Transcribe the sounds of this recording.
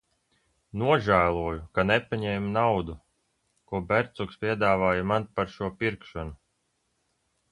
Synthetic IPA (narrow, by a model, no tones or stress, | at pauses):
nuɔʒæːlˠuɔjukanɛpaɲɛːmnawd̪u | kuɔbɛɾt̪sukspʲiɛd̪aːvaːjamanpaɾʃuɔpiɾkʃɔnu